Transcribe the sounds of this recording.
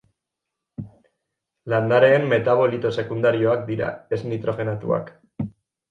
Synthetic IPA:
land̪aɾe̞ːmːe̞t̪aβo̞lit̪o̞se̞kund̪aɾio̞ak̚d̪iɾa̰e̞znit̪ɾo̞xe̞nat̪ṵa̰k

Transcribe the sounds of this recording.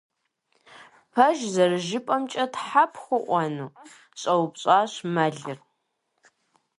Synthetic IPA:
pʰɐʒzɐrɨʒɪpʼɐmt͡ʃʼɐtħapʰχʷʊʔʷɔnuː | ɕʼɐwpɕʼaːɕmɐɮɨr

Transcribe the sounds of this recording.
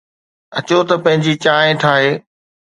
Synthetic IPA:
ɐt͡ɕot̪ɐpɐ̃ɦɪ̃ɲd͡ʑit͡ɕaːẽʈʰaːɦeː

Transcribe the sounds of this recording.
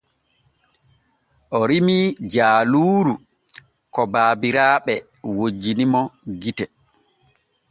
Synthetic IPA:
ʔɔɾimid͡ʒaːluːɾu | kɔbaːbiɾaːɓɛ | wod͡ʒːinimɔɡitɛ

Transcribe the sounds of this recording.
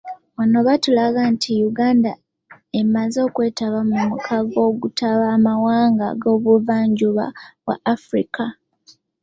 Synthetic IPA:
βano̞βatulaɡantʰijuɡaːnda | emazo̞ːkwe̞ːtaβamumukʰaɡo̞ːɡutʰaβaːmawaːŋɡa̰ɡo̞ːβuvaːɲɟuβa̰βwa̰ʔːfɾḭka

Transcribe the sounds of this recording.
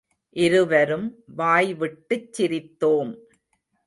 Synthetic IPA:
ʔɪɾɯʋɐɾɯmʋaːjʋɪʈːɯt͡ʃːɪɾɪt̪ːoːm

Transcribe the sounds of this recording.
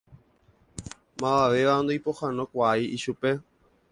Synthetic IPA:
mãaʋe̞ʋaond̪ojpohanõkʷaiiʃupe̞

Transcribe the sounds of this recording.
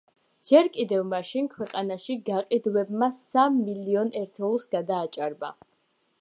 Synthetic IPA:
d͡ʒɛɾkʼid̪ɛvmaʃinkʰwɛqʼanaʃiɡaqʼid̪wɛbmasamːiliɔnɛɾt̪ʰɛulˠsɡad̪aːt͡ʃʼaɾba̰

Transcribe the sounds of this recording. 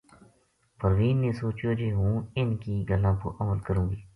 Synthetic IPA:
pəɾʋiːnnẽːsoːt͡ʃjoːd͡ʒeːɦũːɪnkiːɡəlãːpo̰ːʔəməlkəɾũːɡiː

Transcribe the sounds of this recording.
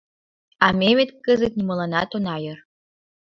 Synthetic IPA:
ɑmʲemet̪kəzet̪nʲimɤ̆lɑnɑt̪onɑjɤ̆r

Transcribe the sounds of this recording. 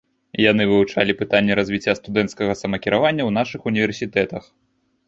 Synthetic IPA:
janɨvɨut͡ʂalʲipɨt̪anʲːɛɾɐzʲvʲit͡sʲːast̪ud̪ɛnt̪skɐɣɐsɐmɐkʲiɾavanʲːɐwnaʂɨxunʲivʲɛrsʲit̪ɛt̪ɐx

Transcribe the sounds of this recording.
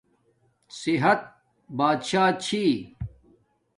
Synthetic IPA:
siɦɐt̪̚ | baːd̪ɕaːt͡ɕʰiː

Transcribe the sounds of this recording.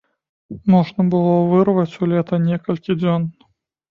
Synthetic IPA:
mɔʐnɐbɨlˠɔvɨrvɐt͡sʲulʲɛt̪ɐnʲɛkɐlʲkʲid͡zʲɔn

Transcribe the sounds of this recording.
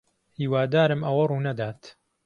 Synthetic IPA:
hiːwaːd̪aːɾɨmʔɐwɐruːnɐd̪aːt̪

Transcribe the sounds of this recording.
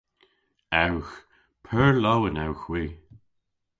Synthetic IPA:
awx | pʰɛɹlowənawxwiː

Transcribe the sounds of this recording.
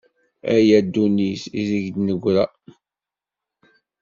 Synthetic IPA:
æjæd̪ːunisizəʝd̪nəɡʷɾæ

